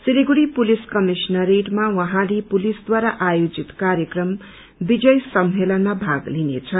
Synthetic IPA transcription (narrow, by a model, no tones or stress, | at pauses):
siliɡuɽipuliskʌmisnʌɾeʈmawʌɦãlepulisd̪waɾaʔajod͡zit̪kaɾjʌkrʌm | bid͡zʌjsʌmɦelʌnːʌbʱaɡlinḛt͡sʰʌ